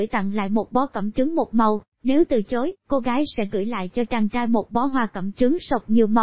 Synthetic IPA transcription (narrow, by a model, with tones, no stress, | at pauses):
jt̪a̰˧˨ŋla̰ː˧˨jmo˨˩t̚ɓɔ˨˦kə̰˧˩mt͡ɕɨ˨˦ŋmo˨˩t̚mə˨˩w | ne˨˦wt̪ɨ˨˩t͡ɕo˨˦jko˧ɣaː˨˦jsɛ̰˧˥ɣɨ̰˧˥jla̰ː˧˨jt͡ɕɔ˧t͡ɕa˧ŋt͡ɕaː˧jmo˨˩t̚ɓɔ˨˦ɦwaː˧˩kə̰˧˩mt͡ɕɨ˨˦ŋsə˨˩wk͡p̚ɲi˨˩əwmə˨˩